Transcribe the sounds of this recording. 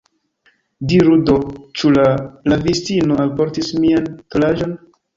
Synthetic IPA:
diɾudo̞t͡ʃulalavistinoalpo̞ɾtismiantolad͡ʒo̞n

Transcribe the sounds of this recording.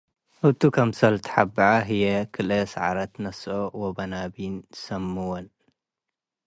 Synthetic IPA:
ʔɨt̪ukʰɐmsɐlt̪ʰħabʕaɦɨjekʰɨlɐsʕa̰ɾɐt̪nɐsowobɐnabinsɐmːɨwon

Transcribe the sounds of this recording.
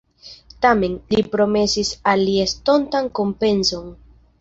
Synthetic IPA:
tame̞nlipɾo̞me̞sisalːiesto̞ntanko̞mpe̞nso̞n

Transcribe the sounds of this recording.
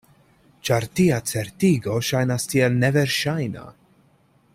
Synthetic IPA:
t͡ʃaɾtiat͡se̞ɾtiɡo̞ʃajnastielne̞ve̞ɾʃajna̰

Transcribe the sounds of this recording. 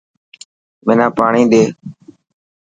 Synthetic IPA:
mẽːnaːpaːɳĩːɗ̪eː

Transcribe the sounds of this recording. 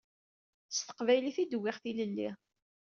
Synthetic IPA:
əst̪ə̥qvæjliθid̪wːɪʁθiləlːi

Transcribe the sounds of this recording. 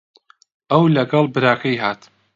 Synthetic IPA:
ʔɐwlɐɡɐlˠbɨɾaːkʰɐjɦaːt̪

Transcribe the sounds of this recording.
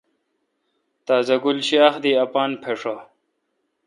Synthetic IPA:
t̪aːzɐɡulɕiaːxd̪iɐpaːnpʰeʂa

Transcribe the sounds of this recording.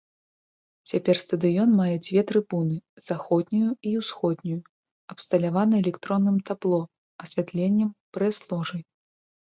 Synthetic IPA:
t͡sʲapʲɛrst̪ɐd̪ɨjɔnmajɛd͡zʲvʲɛt̪ɾɨbunɨzaxɔd̪̚ʲnʲujuiwsxɔd̪̚ʲnʲuju | ɐpst̪ɐlʲavanɐɛlʲɛkt̪ɾɔnːɨmt̪aplˠɔ | ɐsʲvʲat̪lʲenʲːɐmpɾɛslˠɔʐɨj

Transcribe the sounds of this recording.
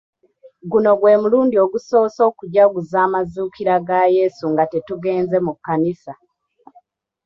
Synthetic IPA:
ɡuno̞ɡwe̞ːmuluːndio̞ɡuso̞ːso̞ːkuɟaɡuzaːmazuːkiɾaɡaje̞suŋɡatetuɡe̞ːnze̞mukːanisa

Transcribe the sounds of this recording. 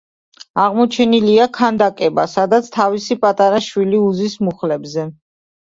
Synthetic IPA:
aʁmɔt͡ʃʰɛniliakʰand̪akʼɛbasad̪at̪sʰt̪ʰavisipʼat̪ʼaɾaʃwiliuzismuχlɛbzɛ

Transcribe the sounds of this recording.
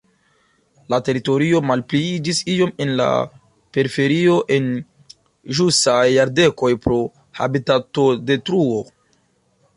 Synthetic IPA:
late̞ɾito̞ɾio̞malpliid͡ʒisio̞me̞nla̰ | pe̞ɾife̞ɾio̞ʔe̞n | ʒusajːaɾde̞ko̞jpɾo | ha̰bitato̞de̞tɾuo̞

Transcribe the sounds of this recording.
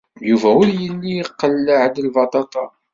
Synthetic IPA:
juvæʊɾjəlːijəqːəlːəʕd̪əlvɑt̪ˤɑt̪ˤɑ

